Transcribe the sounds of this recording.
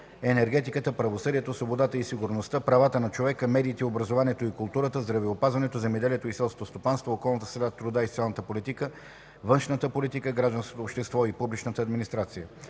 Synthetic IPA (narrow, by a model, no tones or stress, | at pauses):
ɛnɛɾɡɛt̪ikət̪əpɾɐvosɤd̪iɛt̪osvobod̪at̪əisiɡuɾnost̪əpɾɐvat̪ənɐt͡ʃovɛkəmɛd̪iːt̪ɛobɾɐzovaniɛt̪oikʊlˠt̪uɾət̪əzd̪ɾɐvɛopazvɐnɛt̪ozɛmɛd̪ɛliɛt̪oisɛlˠsko̥t̪ost̪opanst̪vookɔlˠnət̪ə̥sɾɛd̪at̪ɾʊd̪aist̪sʲalˠnət̪əpolit̪ikə | vənʃnət̪əpolit̪ikəɡɾaʒd̪ɐnsko̥t̪oːpʃt̪ɛst̪vɔipublit͡ʃnət̪əɐd̪minist̪ɾat̪sijə